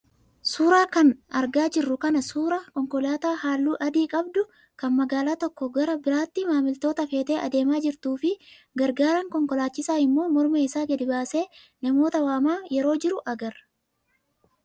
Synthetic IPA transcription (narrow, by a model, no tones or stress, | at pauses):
suːɾaːkɐnɐɾɡaːd͡ʒɪrːʊkɐnɐsuːɾɐkɔŋkɔlaːt̪aːhaːlːuːʔɐd̪iːkʼɐbd̪ʊ | kɐnmɐɡaːlaːt̪ɔkːɔɡɐɾɐbɪɾaːt̪ːɪmaːmɪlt̪o̞ːt̪ɐfe̞ːt̪eːʔɐd̪e̞ːmaːd͡ʒɪɾt̪uːfɪ | ɡɐɾɡaːɾɐŋkɔŋkɔlaːt͡ʃːɪsaːɪmːo̞ːmɔɾmeːɪsaːɡɛd̪ɪbaːse̞ː | nɐmo̞ːt̪ɐwaːmaːjɛɾo̞ːd͡ʒɪɾʊʔɐɡɐɾ